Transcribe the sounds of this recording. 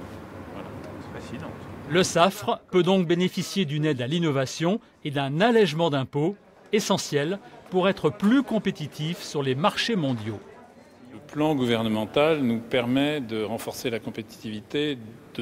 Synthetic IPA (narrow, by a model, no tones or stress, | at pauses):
aãsid̪ɑ̃ləsafχpød̪ɔ̃k̚benefisjed̪ynɛd̪alinɔvasjɔ̃ | ed̪ɛ̃nalɛʒmɑ̃d̪ɛ̃po | esɑ̃sjɛlpuʁɛt̪χəplykɔ̃pet̪it̪ʰifsyʁlemaʁʃemɔ̃d̪jo | ləplɑ̃ɡuvɛʁnəmɑ̃t̪alnupɛʁmɛd̪əʁɑ̃fɔʁselakɔ̃pet̪i̥t̪ivit̪ed̪̥ə